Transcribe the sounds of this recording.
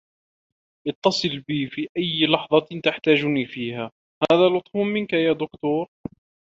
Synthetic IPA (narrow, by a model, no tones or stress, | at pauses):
ʔɑt̪ːɑsˤɨlbiːfiːʔajːlɑħðˤɑt̪aħt̪aːd͡ʒniːfiːhaː | haːðaːlʊt̪ˤfʊmmɪnkajaːd̪ʊkt̪uːɾ